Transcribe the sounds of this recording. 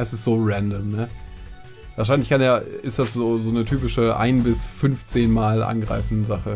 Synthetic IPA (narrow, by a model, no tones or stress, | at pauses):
ɪsɪsz̥oːʁɛndəmnə | vaːɐaɪnlɪçkʰaneːʔɪstd̥asz̥oːzoːnətʰyːpɪʃəʔa̰ɪnbɪsfʏnft͡seːnmaːlʔa̰nɡʁa̰ɪfn̩dəzaχə